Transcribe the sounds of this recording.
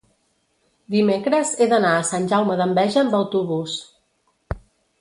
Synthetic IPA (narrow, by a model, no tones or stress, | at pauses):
d̪imekɾəzeðənaəsanʲʒawməðəmbɛʒəːmbəwt̪uβus